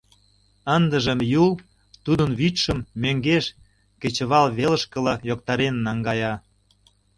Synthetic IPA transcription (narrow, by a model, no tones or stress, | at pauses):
ənd̪ə̆ʒəmjul | t̪ud̪ənβyt̪ʃə̆mːøŋɡeʃ | ket͡ɕə̆βɑlβelə̆ʃkə̆lɑjokt̪ɑɾenːɑŋɡɑjɑ